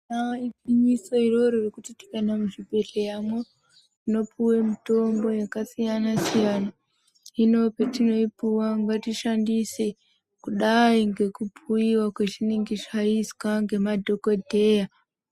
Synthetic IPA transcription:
naipiɲiso̞iro̞ɾorikutiti̥kanamuʒipeɬejamwe | ino̞puwemito̞mbo̞jakasijanasijana | ino̞petino̞ipuwaŋɡatiʃandise | kuɗaiŋɡe̞kupʰuiwakwet͡ʃiniŋɡit͡ʃaiskaŋɡe̞madʱokodʱe̞ja

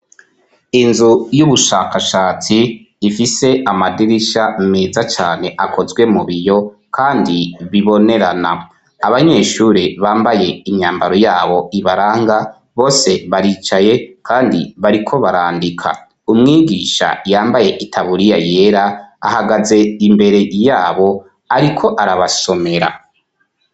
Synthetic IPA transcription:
inzujuβuʃakaʃaːt͡siː | fise̞ʔamadiɾiʃameːzat͡ʃaːne̞ʔakʰo̞zɡwe̞muβijo̞ | kʰaːndiβiβo̞ne̞ɾana | aβaɲe̞ːʃuɾiβaːmbaje̞imɲaːmbaɾo̞jaːβo̞iβaɾaːŋɡa | βo̞ːse̞βaɾiːt͡ʃaje̞kʰaːndiβaɾikʰo̞βaɾaːndikʰa̰ | umŋiːɡiːʃa̰jaːmbaje̞ʔitʰaβuɾijaje̞ːɾaa̰haɡaze̞imbe̞ɾe̞jaːβo̞ | aɾikʰo̞ʔaɾaβaso̞me̞ɾa̰

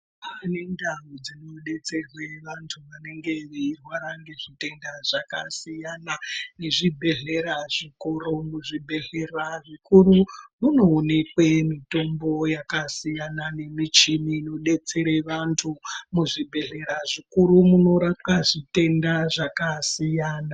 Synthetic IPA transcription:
ane̞ndaʋod͡zino̞ɗe̞t͡se̞rwe̞ʋantʰuʋane̞ŋɡe̞ʋeirwaɾaŋɡe̞ʐite̞ndaʐakasijanane̞ʐibʱe̞ɮe̞ɾaʐikoɾomuʐibʱe̞ɮe̞raʐikurumuno̞ːnekwemito̞mbo̞jakasijanane̞mit͡ʃimiːno̞ɗe̞t͡se̞ɾe̞ʋantʰumuʐibʱe̞ɮe̞ɾaʐikuɾumuno̞ɾapwaʐite̞ndaʐakasijaːna

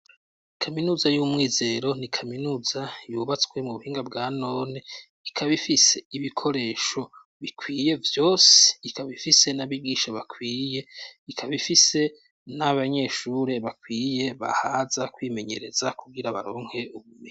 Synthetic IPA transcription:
kʰaminuːzajumŋiːze̞ɾo̞nikʰaminuːzajuβat͡swe̞muβuhiːŋɡabɡaːno̞ːne | ikʰaβifise̞iβikʰo̞ɾe̞ːʃo̞ | βikʰwiːje̞vjo̞ːseikʰaβifise̞naβiɡiːʃaβakʰwiːjeikʰaβifise̞ | naβaɲe̞ʃuɾe̞βakwiːje̞βa̰hazakwiːme̞ɲe̞ɾe̞z̥akuɡiɾaβa̰ɾo̞ːŋhe̞uβume

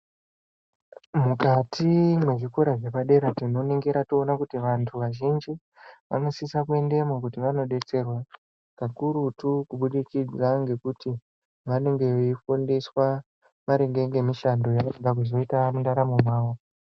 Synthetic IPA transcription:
mukatʰimwe̞ʐikoɾaʐepaɗe̞ɾatino̞neŋɡeɾatoonakutiʋantʰuʋaʒind͡ʒi | ʋa̰no̞sisakue̞nde̞mokutiʋano̞ɗe̞t͡se̞rwa | kakuɾutukuɓuɗikid͡zaŋɡe̞kuti | ʋane̞ŋɡe̞oifondiswa | ʋaɾe̞ŋɡe̞ŋɡe̞miʃando̞jaʋaeŋɡak̬uzo̞itanndaɾamumwaːwo

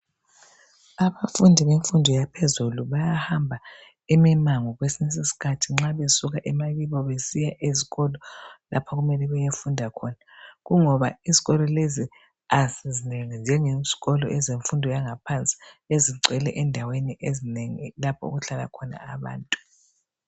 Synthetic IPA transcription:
aβafundʱiβeɱfundʱɔjapʰezuluβajahambʱa | imimaŋɔɣwesines̬isi̥kʰatʰiŋ͡ǁaβesuɣaʔɛmaβiβɔβesijaʔiziɣɔlɔla̰pʰɔɣumɛlɛβɛjefundʱakʰɔnaɣuŋɔβa̰iziɣɔlɔlezi | asizineŋind͡ʒʱɛŋez̥iɣɔlɔʔɛzeɱfundʱɔjaŋapʰant͡sʼi̥eziǀɛlɛ̰ʔɛndʱaweniʔezineŋilapʰɔ̰ṵɣuɬala̰kʰɔna̰ːβa̰ːntʼu̥

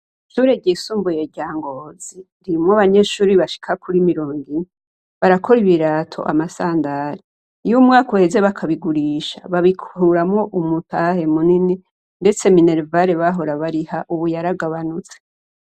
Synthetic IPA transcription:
ʃuːɾe̞ɟiːsuːmbujeɟaːŋɡoːz̥i | ɾimŋoβaɲe̞ʃuːɾiβaʃi̥kʰakuɾimiɾo̞ːŋɡine | βaɾakʰo̞ɾiβiɾaːtʰo̞̰ʔa̰masaːndaɾi | jumŋaːkohe̞ze̞βakʰaβiɡuɾiːʃa̰βaβikʰhuɾamŋo̞ʔumutʰahe̞munini | nde̞t͡se̞mineɾvaɾeβaɦo̞ɾaβaɾihaʔuβujaɾaɡaβanut͡se̥

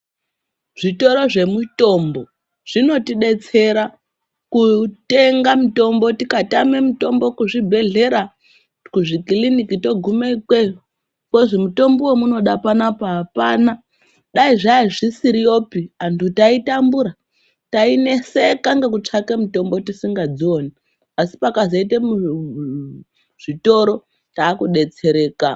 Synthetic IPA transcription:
ʐ̥ito̞ɾo̞ʐe̞muto̞mbo̞ | ʐ̥ino̞tiɗe̞t͡se̞ɾa | kute̞ŋɡamito̞mbo̞tikatame̞mito̞mbo̞kuʐibʱe̞ɮe̞ɾa | kuʐikilinikito̞ɡʱumekwe | koʐemuto̞mbowemuno̞ɗapanapoɦapaːna | ɗaiʐaiʐisiɾijo̞piantʰutaitambuɾa | taine̞sekaŋɡekut͡ʂakemuto̞mbo̞tisiŋɡad͡zio̞ni | asi̥pakazoitemu | ʐ̥ito̞ɾo̞ | taːkuɗe̞t͡se̞ɾe̞ːka

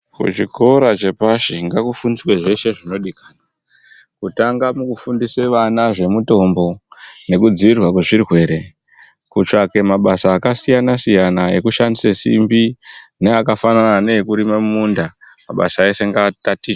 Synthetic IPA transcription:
kṵt͡ʃiko̞ɾat͡ʃe̞paʃiŋɡakufunisweʐe̞ʃe̞ʐino̞ɗikḁna | kutaŋɡamukufundiseʋanaʐe̞muto̞mbo̞ne̞kud͡ziʋirwak̬we̞ʐirwe̞ːɾe̞ | kut͡ʂake̞maɓasaːkasijanasijanae̞kuʃandisesḭmbineakafananaːne̞ekuɾimamundamaɓa̰sae̞se̞ŋɡatati

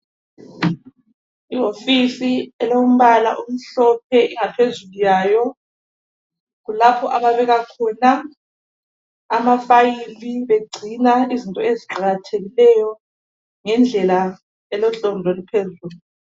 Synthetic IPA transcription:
iofisiɛloum̩βala̰ʔum̩ɬɔp̚ʰɛʔiŋapʰezulujaːjɔ | ɣulapʰɔʔaβaβɛɣakʰɔna | mafajiliβeɡ͡ǀʱinaizintʼɔeziǃʱaɣatʰeɣilɛjɔ | ŋɛnd͡ɮʱɛla | ɛlɔɬɔndʱɔlipʰezulu

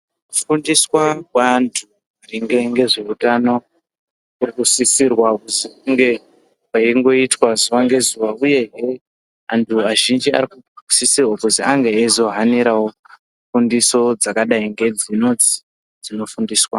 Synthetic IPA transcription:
ufundiswakwantʰu | ariŋɡe̞ŋɡe̞ʐiutano̞ | kurikusisirwakuzikuŋɡe̞ | waiŋɡo̞itwazuʋaŋɡe̞zuʋauje̞ɦe | antʰuaʒind͡ʒia̰rikuu̥sisirwakuziaŋɡeːzo̞ɦaniɾawo̞ | fundiso̞d͡zakaɗaiŋɡe̞d͡zino̞d͡zi | d͡zino̞fundiːswa

